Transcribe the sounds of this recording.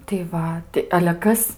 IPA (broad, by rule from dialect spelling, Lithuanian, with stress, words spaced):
tɐɪ ˈʋɐ tʲɪ ɐlʲɛ ˈkɐs